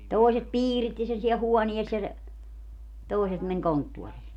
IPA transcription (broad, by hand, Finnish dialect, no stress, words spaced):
toˑiset piːritːi sen siɛl huɔnies jɑ se toˑiset men kontːuoriː